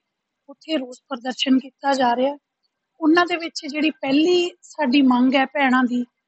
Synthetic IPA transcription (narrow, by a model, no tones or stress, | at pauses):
ʊt̪ʰːeːɾoːspəɾd̪əɾʃənkiːt̪aːd͡ʒaːɾeaː | ʊnãːd̪eːʋɪt͡ʃd͡ʒeːɽiːpɛːliːsaːɖiːmə̃ŋɡɛːpɛːɽ̃ãːd̪iː